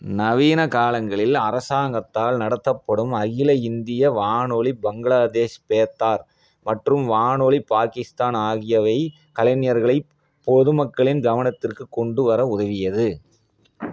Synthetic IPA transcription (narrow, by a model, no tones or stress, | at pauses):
nɐʋiːnɐkaːlɐŋɡɐɭɪlɐɾɐsaːŋɡɐt̪ːaːlnɐɽɐt̪ːɐpːɐɽɯmɐɣɪlɐɪnd̪ɪjɐʋaːnoːɭibɐŋɡɐɭaːd̪eːʂpeːt̪ːaːɾ | mɐʈrɯmʋaːnoːɭipaːkɪst̪aːnaːɣɪjɐʋɐɪ | kɐlɐnɪjɐɾɣɐɭɐɪ | pɔðɯmɐkːɐɭɪnɡɐʋɐnɐt̪ːɪrkɯkːɔɳɖɯʋɐɾɐʊðɐʋɪjɐðɯ